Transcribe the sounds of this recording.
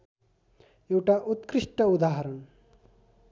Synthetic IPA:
ewʈaʔut̪kɾiʂʈəud̪aːɦɐɾɐɳ

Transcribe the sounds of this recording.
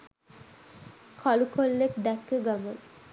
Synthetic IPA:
kʰɔlukʰolːekd̪ɛkːeɡamon

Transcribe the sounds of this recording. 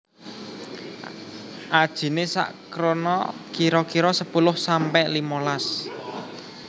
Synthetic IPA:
ʔad̥ʒ̥i̤nesa̰ʔkɾonɔ̰kiɾɔkiɾɔsəpulʊhsampɛʔlimolas

